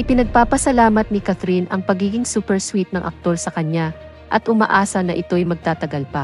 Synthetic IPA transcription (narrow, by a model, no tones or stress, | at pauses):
ʔɪpɪnɐɡ̚paːpɐsɐlaːmɐt̪̚nɪkɐt̪ɾinɐŋpɐɡiːɡɪŋsuːpɛɹswit̪̚nɐŋʔɐ̰k̚t̪olsɐkɐɲa | ʔɐt̪ʔʊmɐʔaːsɐnɐʔɪt̪o̞jmɐɡ̚t̪aːt̪ɐɡɐlpɐ